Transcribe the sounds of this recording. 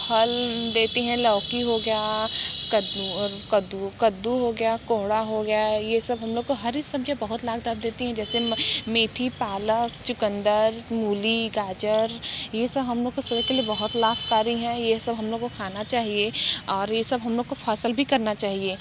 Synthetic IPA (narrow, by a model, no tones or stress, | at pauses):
hɐld̪eːt̪iɦɛ̃lɔːkiɦoɡɐjakɐd̪ukɐd̪ukɐd̪ːuɦoɡɐjakoːɦɽaɦoɡɐjajesɐbɦɐ̃mloːɡ̚koɦɐɾɪsɐb̚d͡ʒabɐɦʊt̪laːɡd̪aːbd̪eːt̪iɦɛ̃d͡ʒɛːsemeːt̪ʰipaːləkt͡ʃʊkə̃nd̪əɾmuːliɡaːd͡ʒəɾjesɐbɦɐmloːɡ̚kosɐbəkeliebɐɦʊt̪laːfkaːɾiɦɛ̃jesɐbɦɐ̃mloːɡkokʰaːnat͡ʃaːɦieɔːɾjesɐbɦɐmloːɡ̚kofʰaːsəlbʱikɐɾnat͡ʃaːɦieː